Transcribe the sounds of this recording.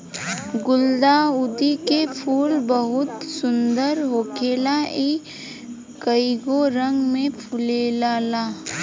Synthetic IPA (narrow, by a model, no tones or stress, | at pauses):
ɡʊld̪aʊd̪ikepʰuːlbəɦʊt̪sʊnd̪əɾɦoːkeːlai | kəiɡoɾə̃ŋɡmẽpʰʊlelaːlaː